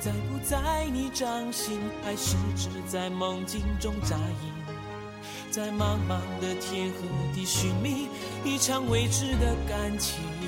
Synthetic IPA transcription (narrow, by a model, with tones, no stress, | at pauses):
t͡sa˧˩ɪpu˧˥t͡sa˥˧ɪni˧˥ʈ͡ʂɑ˥˧ŋɕi˧˥npʰa˧ɪʂ̩˥˧˩ʈ͡ʂɻ̩˧t͡sa˥˩ɪmə˨˧˥ŋt͡ɕi˥ŋʈ͡ʂʊ˥ŋʈ͡ʂa˧˥i˧˩n | t͡sa˥˧ɪma˥˧mmɑ˧˩ŋd̪ə˨t̪ʰjɛ˥xɤ˧˥t̪i˧˩ɕy˨˩nmi˧ŋ | i˥˩ʈ͡ʂʰɑ˧˥ŋwe˧˥ɪʈ͡ʂɻ̩˥˩d̪ə˨ka˧˥nt͡ɕʰi˨˩